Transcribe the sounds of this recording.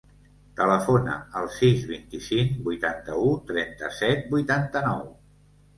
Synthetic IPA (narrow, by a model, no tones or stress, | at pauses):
t̪ələfonə̰əlˠsizβint̪isiŋbujt̪ant̪əut̪ɾɛnt̪əsɛt̪̚bujt̪ant̪ənɔw